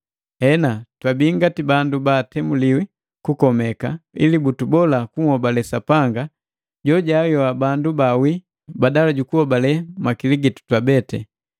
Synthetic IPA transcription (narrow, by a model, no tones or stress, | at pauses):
hɛnatwabiŋɡatibandubaːtɛmuliwi | kukɔmɛkailibutubɔlakuŋhɔbalɛsapaŋɡa | ɟɔɟajɔwabandubawi | badalaɟukuhɔbalɛmakiliɡitu̥twabɛtɛ